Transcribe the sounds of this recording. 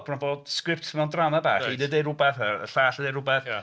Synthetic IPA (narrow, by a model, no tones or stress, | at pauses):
bnanboːd̥skrɪp̚tʰmɛwndramabaːχiːdədejɾʊbɛθəə̰ɬaːɬədejɾʊbɛθ